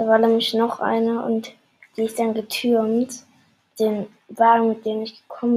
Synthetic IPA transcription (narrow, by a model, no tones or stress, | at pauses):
d̥aːvaːɐnɛːmlɪçnɔχʔa̰ɪnɐʊ̰nt | d̥iːɪstd̥anɡətʰyɐmt | d̥eːn | vaːɡŋ̩mɪt̚d̥eːnɪçɡ̥ə̥kʰɔmə